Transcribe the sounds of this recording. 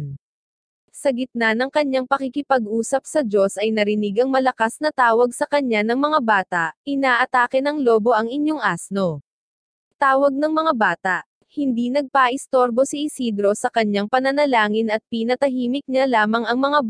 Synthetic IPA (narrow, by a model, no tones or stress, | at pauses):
sɐɡɪt̪̚nanɐŋkɐɲːaŋpɐkɪkɪpɐɡʔuːsɐp̚sɐd͡ʒo̞sʔɐjnɐɾɪnɪɡɐŋmɐlɐkasnɐt̪aːwɐɡsɐkɐɲanɐŋmɐŋabaːt̪ɐʔʔɪnaːʔɐt̪aːkɛnɐŋloːbo̞ʔɐŋɪɲjoŋʔasno̞ | t̪aːwɐɡ̚nɐŋmɐŋabaːt̪ɐʔ | hɪnd̪inɐɡ̚paːʔɪst̪oɾbo̞sɪɪsid̪ɾo̞sɐkɐɲːaŋpɐnɐnɐlaːŋɪnɐt̪̚pinɐt̪ɐɦiːmɪk̚ɲalaːmɐŋɐŋmɐŋa